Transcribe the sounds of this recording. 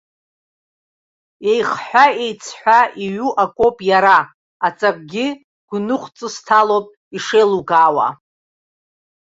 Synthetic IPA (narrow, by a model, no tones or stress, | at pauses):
e̞jχħʷᶣae̞jt͡sʰħʷᶣaiɥuʔakʷʼo̞pʼjaɾaː | t͡sʼakʼɡʲɪ | ɡ̥ʷnɨχʷt͡sʼɨstʰalopʼ | iʂejluɡaːwa̰